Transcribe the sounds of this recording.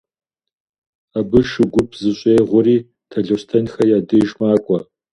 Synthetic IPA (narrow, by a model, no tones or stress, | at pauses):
abɨʃɨɡʷʊpʰzɨɕʷʼeːʁʷʊɾiː | tʰɐɮoɕtʰɐnxɐjaːdɨʒmaːkʷʼɔ